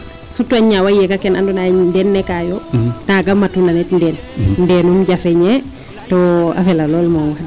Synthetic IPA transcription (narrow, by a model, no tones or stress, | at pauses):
sutːaɲːawajekakɛnandunandɛnːɛkajotaɡamːatunanɛtndɛn | ndɛnumɟafɛɲe | tɔa̰fɛlalɔlmɔŋwad